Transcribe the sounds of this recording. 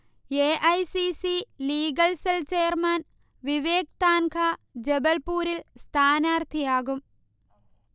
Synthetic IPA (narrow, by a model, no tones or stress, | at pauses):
eːʔɐjsisiliːɡɐlselt͡ʃeːɐɾmaːn | ʋiʋeːk̚t̪aːnkʰaːd͡ʒebɐlpuːɾilst̪ʰaːnaːɾt̪ʰijaːɡum